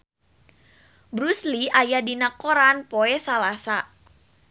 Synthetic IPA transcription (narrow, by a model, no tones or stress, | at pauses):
bɾusliajadinakoɾanpoɛsalasa